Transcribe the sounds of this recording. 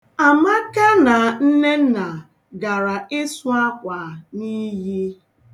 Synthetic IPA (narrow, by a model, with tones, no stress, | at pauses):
a˨ma˦ka˦na˨n̩˦ne˦na˨ | ɡa˨ɾa˨ɪ˦sʊ˦a˦kʷa˨ni˦ɣi˦